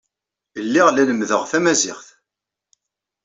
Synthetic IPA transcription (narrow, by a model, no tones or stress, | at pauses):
əlːiʁlænəmðəʁθæmæzɪχθ